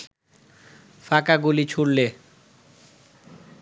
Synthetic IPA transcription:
fʰakaɡulit͡sʰuɽle

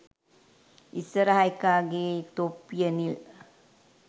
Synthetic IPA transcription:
isɐɾɐɦajkaːɡet̪opːijɐnil

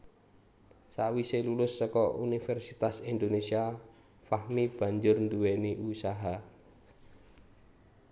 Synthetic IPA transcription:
sawiselulʊsːɔkɔunifɛrsit̪asind̪onesia | fahmib̥a̤ɲd͡ʒʊrnd̪uweniʔusaɦa

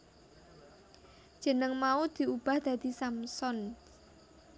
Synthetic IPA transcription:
ʒ̥ə̤nəŋmaud̪̥i̤ub̥a̤hd̪̥a̤d̪̥i̤samsɔn

